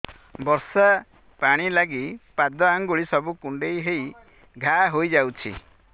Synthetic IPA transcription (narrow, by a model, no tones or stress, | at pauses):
bɔɾsa | paɽ̃ilaɡipad̪ɔaŋɡuɭisɔbukuɳɖejɦej | ɡʱaɦojd͡ʒawt͡ʃʰḭ